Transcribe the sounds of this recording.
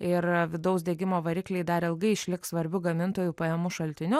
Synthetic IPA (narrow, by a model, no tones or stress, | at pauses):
ɪrʋʲɪd̪ɐʊsd̪ʲeːɡʲɪmoːʋɐɾʲiːklʲɛɪd̪ɐɾɪlˠɡɐɪɪʃʲlʲɪkssʋɐɾʲbʲʊɡɐmʲɪnt̪oːjuːpɐjɛmʊʃɐlʲt̪ʲɪnʲʊ